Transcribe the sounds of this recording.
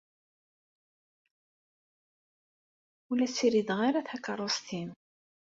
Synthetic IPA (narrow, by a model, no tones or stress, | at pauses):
ulæsiɾid̪ʁaɾaθækərˤost̪im